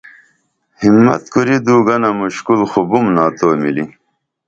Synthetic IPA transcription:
himːɐ̰t̪kuɾid̪uːɡɐnɐmuɕkulxubumnaːt̪oːmili

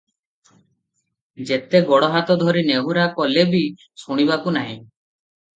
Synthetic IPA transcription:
d͡ʒet̪eɡɔɽɔɦat̪ɔd̪ʱɔɾineɦuɾakɔlebi | suɽ̃ibakunaɦḭ̃

